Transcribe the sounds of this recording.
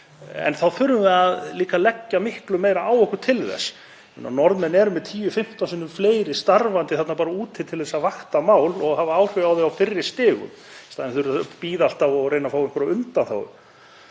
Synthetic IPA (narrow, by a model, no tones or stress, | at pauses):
ɛ̰nθaðfʏɾmʏvɪaðliːkalɛcːamɪhklʏmeːjɾaaːwɛhkʏt̪ʰɪlðɛ̰s | ɛ̰nːa̰nɔɾðmɛnːɛɾʏmɛðt̪ʰiːjʏfɪm̥t̪ansʏnʏmfleːjɾɪst̪aɾvant̪ɪθɛt̪napaːɾauːt̪ʰɪt̪ʰɪlθɛsːavaxt̪amaːwlɔɣɦavaaːwr̥œawðɪawfɪrːɪst̪ɪːɣʏ̰m | st̪aðɛnθɾpiːðal̥t̪avɔɣreːjnafaːwɪŋkɔɾaʏnt̪anθa̰wʏ̰